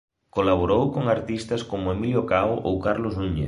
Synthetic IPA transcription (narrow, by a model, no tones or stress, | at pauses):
kolaβ̞oɾowkoŋaɾt̪ist̪ɐskomʊemiljokawʔowkaɾlosnuɲḛ